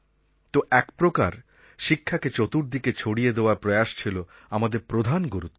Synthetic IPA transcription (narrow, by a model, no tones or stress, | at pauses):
t̪oʔɛkpɾokaɾ | ʃikʰːaket͡ɕot̪uɾd̪iket͡ɕʰoɽijed̪eoaɾpɾɔjaʃt͡ɕʰilo | amad̪eɾpɾod̪ʱanɡoɾut̪